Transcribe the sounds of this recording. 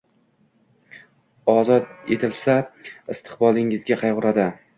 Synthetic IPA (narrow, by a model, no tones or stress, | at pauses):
ɒzɒt̪̚e̞̰t̪ʰɪlsaɪst̪ʰɪ̥qbɒlˠɪŋɪzɡʲaqʰɑjʁʊɾad̪ɪ